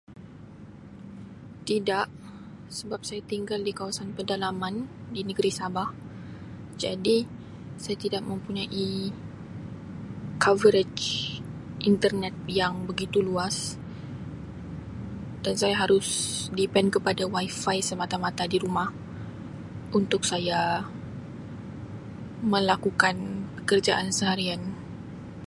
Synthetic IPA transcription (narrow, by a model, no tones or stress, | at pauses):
t̪idaʔ | səbap̚sajat̪iŋɡaldikawasanpərdalamãndinəɡəɾisabah | d͡ʒadi | sajat̪idaʔmə̃mpuɲaʔi | kʰavəɾed͡ʒ | ʔint̪ərnɛt̪̚jaŋbəɡit̪uluas | d̥ansajaɦaɾʊsdipɛnkəpadawajfajsəmat̪amat̪adiɾumah | ʔunt̪ʊk̚saja | mə̃lakukanpəkərd͡ʒaʔansəɦaɾian